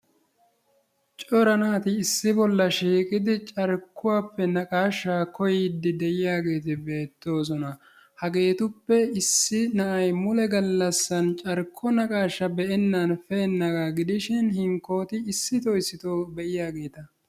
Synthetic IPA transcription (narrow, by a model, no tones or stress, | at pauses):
t͡ʃʼɔɾɐnaːt̪ɪːsːɪbɔlːɐʃiːkʼɪd̪ɪt͡ʃʼɐɾkːʊwaːpːɛnɐkʼaːʃːakɔjɪd̪ːɪd̪ɛjɪjaːɡe̞ːt̪ɪbe̞ːt̪ːo̞ːs̬ɔnɐ | hɐɡe̞ːt̪ʊpːɛɪsːɪnɐʔɐjmʊlɛɡɐlːɐsːɐnt͡ʃʼɐɾkʰːɔnɐkʼaːʃːɐbɛʔɛnːɐnfɛːnːɐɡaɡɪd̪ɪʃɪnhɪŋkːo̞ːt̪ɪːsːɪt̪ɔɪsːɪt̪oːbɛʔɪjaːɡe̞ːt̪ɐ